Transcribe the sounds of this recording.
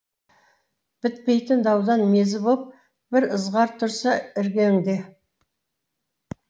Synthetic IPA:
b̥ɪt̪̚pe̞jt̪ɪnd̪ɑwd̪ɑnmezɪbop̚ | b̥ɪɾəzʁɑɾt̪ʰʊɾsɑɪɾɡʲeŋd̪e̞

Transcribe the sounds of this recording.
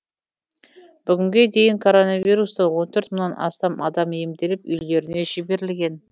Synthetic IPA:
b̥ʏɡʲɪŋɡʲe̞d̪e̞jɪŋkʰo̞ɾo̞nɑvʲijɾust̪əwo̞nt̪ʰɵɾt̪mənːɑnɑ̰st̪ɑmɑ̰d̪ɑmemd̪e̞lɪpʏjle̞ɾɪne̞ʒebe̞ɾɪlɡʲe̞n

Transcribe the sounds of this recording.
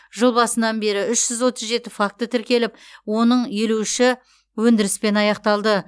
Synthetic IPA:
ʒəlˠbɑsənɑnbe̞ɾɪʏʃʒ̥ʏzwo̞t̪əzʒe̞t̪ɪfak̚t̪ːət̪ʰɪɾkʲe̞lɪp̚wo̞nəɴjeluʃɪ | wɵnd̪ɪɾɪspe̞nɑjɑqt̪ɑlˠd̪ə

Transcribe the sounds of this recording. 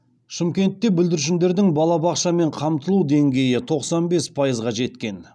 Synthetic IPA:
ʃɪmkʲe̞nt̪ːe̞bʏld̪ɪɾʃ̬ɪnd̪e̞ɾd̪ɪŋbɑlˠɑbɑqʃɑme̞ɴqʰɑmt̪əlˠuwd̪e̞ŋɡʲe̞jɪt̪ʰo̞qsɑnbe̞spʰɑjəzʁɑʒe̞t̪kʲe̞n

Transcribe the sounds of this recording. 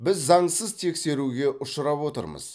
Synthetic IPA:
bɪzːɑɴsəzt̪ʰe̞kse̞ɾuɡʲe̞ʔʊʃəɾɑpwot̪ə̰ɾmə̰z̥

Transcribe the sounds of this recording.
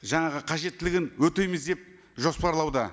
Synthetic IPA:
ʒɑɴɑʁəqʰɑʒe̞t̪ːɪlɪɡʲɪnwɵt̪e̞jmɪzd̪e̞p̚ | ʒo̞spɑɾlˠɑwd̪ə

